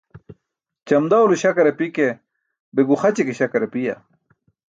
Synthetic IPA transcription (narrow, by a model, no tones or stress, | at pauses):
t͡ɕɐmd̪awluɕɐkɐɾepike | beɡuxɐt͡ɕekeɕɐkɐɾepija̰